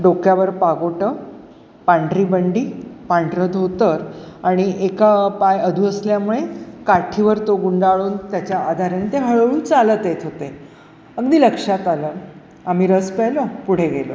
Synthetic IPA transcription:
ɖokjaʋəɾpaɡoʈə | paɳʈɾiːbəɳɖiːpaɳɖɾəd̪ot̪əɾaɽ̃iʔekapajəd̪ʱuəsljamuɭekaʈʰiʋəɾt̪oɡuɳɖaɭuːnt̪jat͡ɕjaːd̪ʱaɾent̪eɦəɭɭuːt͡salət̪et̪ʰɦot̪e | əɡd̪iːləkʂat̪alə | am̤iːɾəspəjləpuɽ̤eɡelə̰

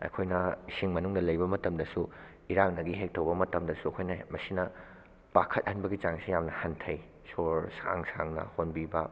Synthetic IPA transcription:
ɐ̰jkʰojnɐisiŋmɐnuŋdɐlɐjbɐmɐtɐmdɐsu | iɾaŋnɐɡiɦek̚tʰɐwbɐmɐtɐmdɐsuɐkʰojnɐmɐsinɐ | b̥akʰɐt̚hɐnbɐɡit͡ʃaŋsijamnɐhɐntʰɐj | soɾsa̰ŋsaŋnɐ̰honbibɐ

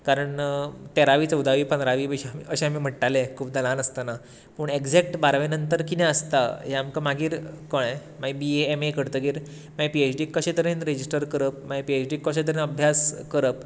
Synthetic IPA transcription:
kaɾəɳt̪eɾaʋiːt͡səwd̪aʋiːpənd̪ɾaʋiːpəɕiamḭəɕẽam̤iːm̤əʈʈalekʰuːbd̪alãnəst̪əna | pəɳeɡd͡zek̚ʈbaɾʋenənt̪əɾkineəst̪aɦeamkamaɡiːɾkoɽ̃e | maɡibieemekəɾt̪əɡiːɾ | maipiet͡ɕɖiːkːəɕẽt̪əɾenɾed͡ʑisʈəɾkəɾəp̚maipiet͡ɕɖikəɕẽt̪̬əɾenəbʱjaskəɾəp̚

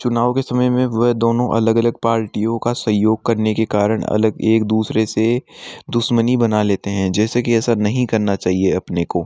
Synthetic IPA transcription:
t͡ʃʊnaːʋokesɐməjmẽʋɐɦd̪oːnõʔɐ̰ləɡɐləɡ̚paːɾʈijõkasɐ̃ɦjoːɡ̚kɐɾnekekaːɾəɽ̃ɐ̰ləɡeːkd̪uːsɾesed̪ʊʃmənibɐnaleːt̪eɦɛ̃d͡ʒɛːsekiɛːsanɐɦĩkɐɾnat͡ʃaːɦieɐpnekoː

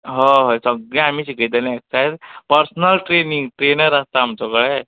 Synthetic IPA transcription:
ɦɔ̃ɦə̃səɡɭɛ̃amiːɕikət̪ɛleeksajɾpəɾsnəlʈɾeniŋɡʈɾenəɾast̪aːmt͡sɔkəɭɛ

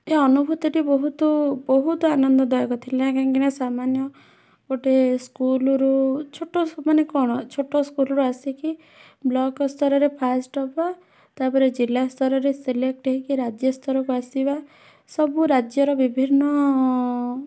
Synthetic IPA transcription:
eɔnubʱut̪ɔʈibɔɦut̪ɔbɔɦut̪ɔanɔnd̪ɔd̪ɔjɔkɔt̪ʰileakaŋɡiɽ̃asamanjɔ | koʈeskulɔɾut͡ʃʰoʈːɔmanekɔɽ̃ɔt͡ʃʰoʈːɔskulɔɾuasiki | blɔkɔst̪ʰɔɾɔɾepʰasʈɔpɔ | t̪apɔɾed͡ʒilast̪ʰɔɾɔɾeselek̚ʈeɦikiɾad͡ʒjɔst̪ʰɔɾɔkuasiba | sɔbuɾad͡ʒjɔɾɔbibʱinːɔ

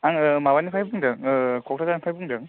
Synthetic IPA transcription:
aŋmabanipʰajbuŋdɯŋkʰɔk̚tʰazanpʰajbuŋdɯŋ

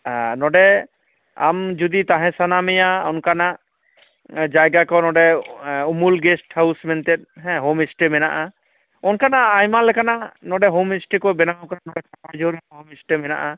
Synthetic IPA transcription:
anɔɖɛ | a̰md͡ʒud̪it̪aɦɛ̃sanamɛjaɔnkanaʔ | d͡ʒajɡakɔnɔɖɛumulɡɛsʈhawsmɛnt̪ɛt̪̚ɦɛ̃ɦomisʈɛmɛna̰ʔa | ɔnkanaajmalɛkʰananɔɖɛɦomisʈekɔbɛnawkaɾanɔɖɛkʰapʰajd͡ʒoɾɛɦomisʈɛmɛna̰ʔa

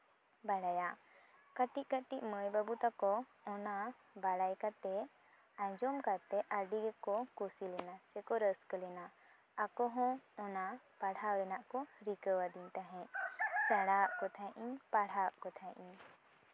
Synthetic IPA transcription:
baɽaja | kəʈiʔ̚kəʈiʔməjbabut̪akɔɔna | baɽajkat̪ɛ | ãjd͡ʒɔmkat̪ɛʔəɖiɡɛkɔkusilɛnasɛkɔɾəskəlɛna | akɔɦɔ̃ɔnapaɽ̤awlɛnaʔkɔɾikəwad̪iɲt̪aɦɛ̃sɛɽaʔkɔt̪ʰãʔiɲpaɽ̤aʔkɔt̪ʰãʔiɲ

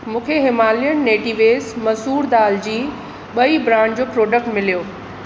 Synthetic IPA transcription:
mũːkʰeɦɪmaːlijəɽ̃neːʈiʋeːsmɐzuːɾd̪aːld͡ʑiː | ɓɐibɾãːd͡ʑoːpɾoːɖək̚ʈmɪlijoː

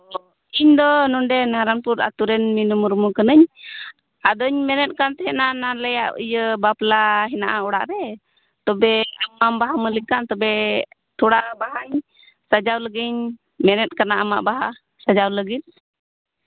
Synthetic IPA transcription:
iɲd̪ɔnɔɳɖɛnaɾanpuɾa̰t̪uɾɛnminumuɾmukənəɲ | ad̪ɔɲmɛnɛt̪̚ˀkant̪ɛɦɛnanalɛjaʔḭjəbaplaɦɛnaʔaɔɽa̰ʔɾɛ | t̪ɔbɛamːambaɦaməlikaʔt̪ɔbɛ | t̪ʰuɽaʔbaɦaɲ | sad͡ʒawləɡiɲ | mɛnɛt̪̚ˀkanaʔama̰ʔbaɦa | sad͡ʒawləɡit̪̚

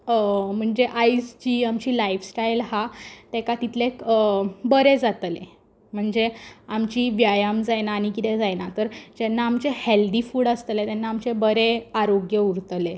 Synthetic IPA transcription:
m̤əɳd͡zeʔaisd͡ʑiamt͡ɕiːlaifsʈajlɦat̪ekat̪it̪lekbəɾed͡zat̪le | m̤əɳd͡zeamt͡ɕiːʋjajamd͡zajnaːɽ̃ikit̪ɛd͡zajnat̪əɾd͡ʑenːaːmt͡ɕeheld̪ifuːɽəst̪let̪ɛnːaːmt͡ɕebəɾeaɾoɡjəuɾt̪le

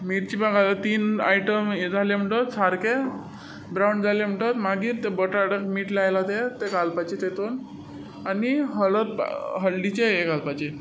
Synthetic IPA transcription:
miʈt͡ɕipaɡalat̪iːna̰jʈəmd͡zʱalem̤əɳʈɔt̪saɾke | bɾawɳɖd͡zʱalem̤əʈət̪maɡiːɾt̪ebəʈaɽəkmiːʈlajlat̪et̪eɡalpat͡ɕet̪et̪on | aniɦələɾ̰ɦəlɖit͡ɕeːkalpat͡ɕe

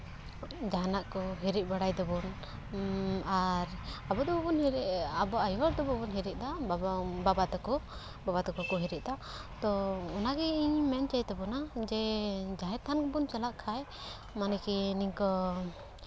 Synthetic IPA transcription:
d͡ʒaɦnaʔkɔɦiɾiʔ̚ˀbaɽajd̪ɔbɔn | aɾabɔd̪ɔbɔbɔnɦiɾɛabɔajaɾd̪ɔbɔbɔnɦiɾiʔ̚d̪a | babat̪ɔkɔ | babat̪ɔkɔkɔɦiɾɛʔ̚d̪a | t̪ɔɔnaɡɛiɲmɛnt͡ʃajt̪ɛbɔnad͡ʒɛd͡ʒaɦɛt̪ʰankɔbunt͡ʃalaʔkʰaj | manɛkɛniɲkɔ

